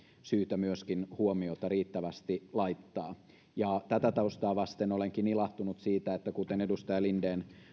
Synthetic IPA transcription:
syːt̪æmyøskinhuomiot̪ɑriːt̪ːæʋæst̪ilɑit̪ːɑː | jɑt̪æt̪æt̪ɑust̪ɑːʋɑst̪enoleŋkinilɑht̪unut̪siːt̪æet̪ːækut̪enedust̪ɑjɑlindeːn

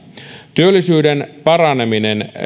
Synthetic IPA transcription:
t̪yølːisyːdenpɑrɑneminen

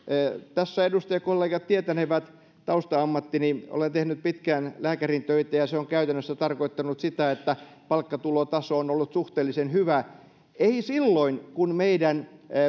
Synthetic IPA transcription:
t̪æsːæedust̪ɑjɑkolːeːɡɑt̪t̪iet̪æneʋæt̪ | t̪ɑust̪ɑɑmːɑt̪ːiniʔo̰lent̪ehnyt̪̚pit̪kæːnlæːkærint̪øit̪æjɑseoŋkæyt̪ænːøsːæt̪ɑrkoit̪ːɑnut̪sit̪æet̪ːæpɑlkːɑt̪ulot̪ɑsoːnolːut̪suht̪eːlːisenhyʋæ | eisilːoinkunmeidæn

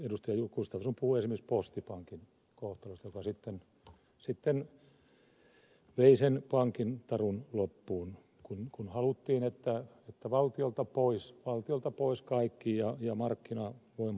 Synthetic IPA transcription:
edust̪ɑjɑjukːust̪ɑfsumpuhuesimekispost̪ipɑŋkin | koht̪ɑlust̪ɑjokɑsit̪ːen | sit̪ːen | ʋeisenpɑŋkint̪ɑrunlopːuːn | kunkunhɑlut̪ːiːnet̪ːæ | et̪ːæʋɑlt̪iolt̪ɑpoisʋɑlt̪iolt̪ɑpoiskɑikːijɑjɑmɑrkːinɑʋoim

